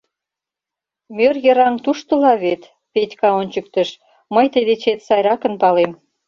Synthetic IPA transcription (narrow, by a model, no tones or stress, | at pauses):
mʲørjə̆ɾɑŋt̪uʃt̪ə̆lɑβet̪ | pet̪ʲkɑonʲt͡ɕə̆k̚t̪ə̆ʃ | məjt̪əd̪et͡ɕet̪sɑjɾɑkə̆npɑlem